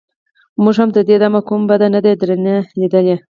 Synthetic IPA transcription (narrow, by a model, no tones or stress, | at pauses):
muʐhamd̪əd̪ed̪amakumbad̪anad̪ad̪ɾənelid̪əle